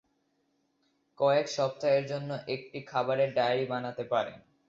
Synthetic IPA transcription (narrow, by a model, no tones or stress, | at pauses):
kɔekʃɔp̚t̪aeɾd͡ʑonːoʔek̚ʈikʰabaɾeɾɖajaɾibanat̪epaɾḛ